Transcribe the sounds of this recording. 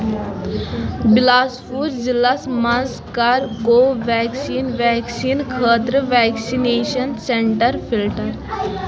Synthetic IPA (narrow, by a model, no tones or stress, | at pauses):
bɪlaːspuːɾzilɐsmɐz | kɐɾkoːʋɛːksiːnʋɛːksiːnkʰəːt̪ɾəʋɛːksineːʃənseɳʈəɾpʰilʈəɾ